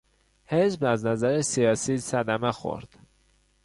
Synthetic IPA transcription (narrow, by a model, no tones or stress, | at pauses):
heʒbæznæzæɾesijɒːsiːsæd̪æmexo̰ɾd̪̥